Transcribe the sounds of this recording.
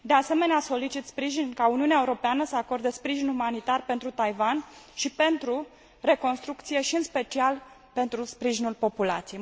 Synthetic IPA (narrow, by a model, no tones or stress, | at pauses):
d̪e̞ase̞meneaso̞lit͡ʃit̪spɾiʒinkauniuneaeuɾo̞peanəsəako̞rd̪espɾiʒinumanit̪arpe̞nt̪ɾut̪ajvanʃipe̞nt̪ɾu | re̞ko̞nst̪ɾuk̚t̪sije̞ʃiɨnspe̞t͡ʃial | pe̞nt̪ɾuspɾiʒinulpo̞pula̰t̪sije